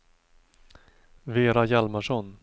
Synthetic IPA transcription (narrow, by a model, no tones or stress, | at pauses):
veːɾajalmaʂɔn